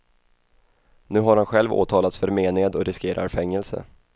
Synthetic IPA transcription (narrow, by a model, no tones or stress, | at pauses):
nʉ̟ːɦaɾhanɧɛlvo̰ːt̪ʰɑːlat̪sfœɾmeːneːd̪ɔɾɪskeːɾʔa̰ɾfɛŋːɛlsə̰